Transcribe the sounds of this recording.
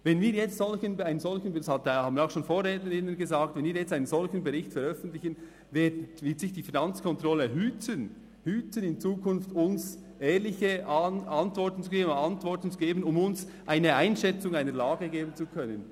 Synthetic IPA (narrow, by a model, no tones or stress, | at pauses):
vɛnviːɾjɛt͡stz̥ɔlçənaɪnənzɔlçənidshɑthaːbənaʊxʃoːnfoːrːɛːtnəɾɪnənɡəzaːk̚tvɛnviːɐɾjɛt͡staɪnənzɔlçənbɛɾɪçtfɛɾœfən̩tlɪçən | veːdvɪːtsɪçd̥iːfinɑnt͡skʰɔntʁɔləɦyːt͡sən | hyːt͡sənɪnt͡suːkʰʊnftʊns | ʔɛːɾlɪçəɑntvɔɹtn̩t͡suɡ̥eːbəndɑntvɔrtn̩t͡suɡeːbənʊmʊns | ʔaɪnəaɪnʃɛt͡sʊŋaɪnəɾlaːɡəɡeːbən̩t͡sukʰœnən